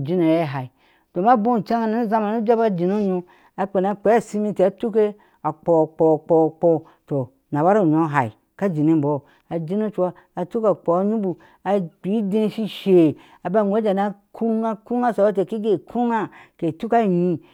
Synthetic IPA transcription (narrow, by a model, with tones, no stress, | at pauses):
d͡ʒi˦no˨je˦˨ɦa˨i˨ | do˨ma˦bo˦˨t͡ʃa˦ŋa˨na˨˦za˦ma˨nu˦d͡ʒa˦ba˦d͡ʒi˨no˦ɲo˦ | a˨k͡pe˨na˦k͡pe˨˦a˦˨si˦mi˦ti˨a˦tu˦ke˦ | a˨k͡po˨k͡po˨k͡po˨k͡po˦ | to˨ | na˨ba˦ɾo˦˨ɲo˨˦ɦa˨i˨ | ka˦d͡ʒi˨ni˦m̩˨bo˨ | a˨d͡ʒi˦no˦t͡ʃaː˦˨tu˦ka˨k͡po˨a˦ɲu˦bu˨ | a˨k͡pi˨˦de˦n˦ʃi˦ʃe˨ | a˨ba˦˨o˦d͡ʒa˨na˦kʰu˦ŋa˦ku˦a˦sa˨ba˦t̬e˨ki˦ɡe˨kʰu˦ŋa˦ke˨tu˦ka˦˨ɲi˦